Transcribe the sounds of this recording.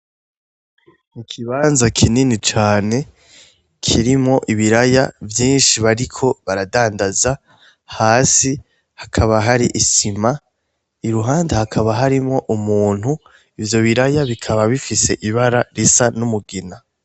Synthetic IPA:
mukʰiβaːnzakʰininit͡ʃaːne̞ | kʰiɾimŋo̞ʔiβiɾaja̰vjiːnʃiβaɾikʰo̞βaɾadaːndaza | haːsi | hakʰaβaɦaɾiʔisima | iɾuɦaːndehakʰaβaɦaɾimo̞ʔumuːn̥hu | ivjo̞βiɾajaβikʰaβaβifise̞ʔiβaɾaɾisanumuɡina

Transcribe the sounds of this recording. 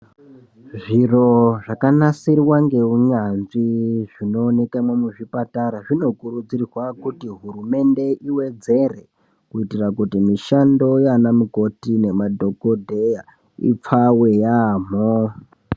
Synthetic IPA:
ʐiro̞ʐakanasiriwaŋɡe̞uɲanʐiʐino̞ːne̞kaimwe̞muʐipataɾaʐino̞kuɾud͡zirirwakutiɦurume̞nde̞ʔiwe̞d͡ze̞re̞ | kuitirakutimiʃando̞janamuko̞tine̞madʱo̞kodʱeja | ḭp͡fawe̞jaːm̤o

